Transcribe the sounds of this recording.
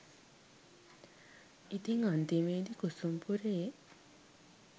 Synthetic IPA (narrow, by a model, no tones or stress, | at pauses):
it̪iŋant̪imeːd̪ikusumpuɾeː